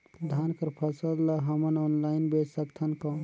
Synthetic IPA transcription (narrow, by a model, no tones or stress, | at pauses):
d̪ʱankəɾpʰəsəlːəɦəmənɔnlaɪnbesəkt̪ʰənkɔ̃